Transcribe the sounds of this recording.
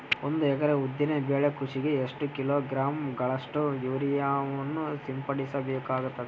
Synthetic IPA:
ond̪uɛkɐɾeud̪ːinebeːɭekuʂiɡe̞eʂʈukiloːɡɾaːmɡɐɭɐʂʈujuʋɐɾijaːʋɐnːusimpɐɽisɐbeːkaːɡut̪ːɐd̪e

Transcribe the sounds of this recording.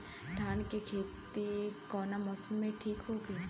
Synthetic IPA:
d̪ʱaːnkikʰeːt̪ikɔːnamɔːsəlmẽʈʰiːkɦoːɡeː

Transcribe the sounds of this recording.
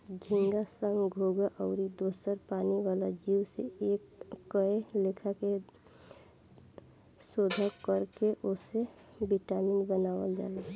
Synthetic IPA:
d͡ʒʱĩŋɡasə̃ŋɡʱoɡaʔɔʊɾid̪oːsəɾpaːniʋaːlad͡ʒiwseekːəelekʰake | soːd̪ʱakəɾkeʔose | biʈaminbənaːʋəld͡ʒa̰ːle

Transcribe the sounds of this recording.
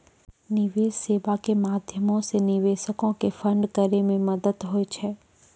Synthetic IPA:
nɪʋeːsseːʋakemaːd̪ʱjəmõsenɪʋeːʃəkõkefə̃ɳɖkəɾemẽmɐd̪əd̪ɦoet͡ʃʰɛː

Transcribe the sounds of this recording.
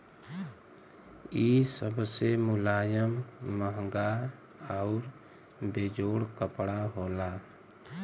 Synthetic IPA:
isəbʱsemʊlaːjəmːəɦŋɡa | aʊɾ | beːd͡ʒoːɽkəpɽaɦoːlaː

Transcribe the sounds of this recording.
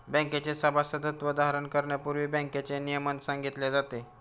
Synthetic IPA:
bə̃ŋket͡sesəbʱasəd̪ʱət̪ʋəd̪aɦɾənkəɾɳjapuɾʋiːbə̃ŋket͡senijəmənsãŋɡit̪led͡zat̪e

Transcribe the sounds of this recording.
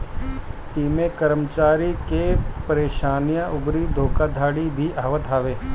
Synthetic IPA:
iːmẽkəɾəmt͡ʃaːɾikepəɾeːʃaːnijãʔʊbɾid̪ʱoːkad̪ʱaːɽibʱiʔaːʋəd̪ʱaːʋeː

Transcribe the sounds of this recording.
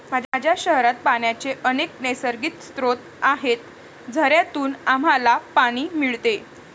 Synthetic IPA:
mad͡ʑʱad͡ʑʱjaɕəɦɾat̪̚paɳjat͡seʔənek̚nesəɾɡiːt̪st̪ɾot̪ | aɦet̪ | d͡zʱəɾjat̪uːnam̤alapaɽ̃iːmiɭt̪e

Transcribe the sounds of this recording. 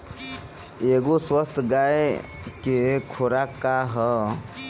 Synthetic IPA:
eɡoswəst̪ʰɡaj | kekʰoɾakːaɦə

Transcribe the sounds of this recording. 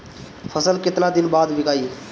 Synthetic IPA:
pʰəsəlket̪lad̪ɪnbaːd̪ʋɪkaːi

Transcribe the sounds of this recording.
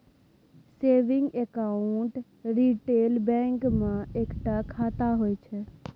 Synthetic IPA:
seːʋɪ̃ŋɡekaʊɳʈ | ɾiʈelbɛ̃ŋkmẽeːkʈakʰat̪aɦojt͡ʃʰɛ

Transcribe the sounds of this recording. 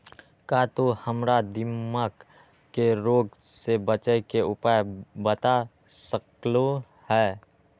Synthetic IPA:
kaːt̪ohəmɾad̪ɪmːaːk | keɾoːɡsebət͡ʃəjkeʊpaːjbət̪a | səklo | hɛː

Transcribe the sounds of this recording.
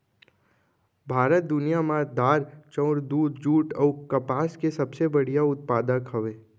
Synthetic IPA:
bʱaːɾət̪̚d̪ʊnijamãd̪aːɾt͡ʃɔ̃ʊɾd̪uːd̪d͡ʒuːʈɔːkɐpaːskesɐbsebəɽ̤ijaʊt̪̚paːd̪ãkʰɐʋeː

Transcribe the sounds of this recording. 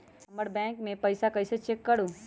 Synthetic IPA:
hɐməɾbɛ̃ːŋkmẽpɐɪsakɐɪset͡ʃekːɐɾuː

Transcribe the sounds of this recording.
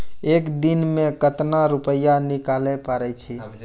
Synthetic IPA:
ekd̪inmekət̪naɾupəjːanikalɛpaɾɛt͡ʃʰi

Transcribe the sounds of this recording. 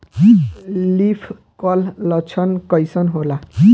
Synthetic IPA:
lipʰ | kʌlːʌt͡sʰʌnkʌjsʌnɦola

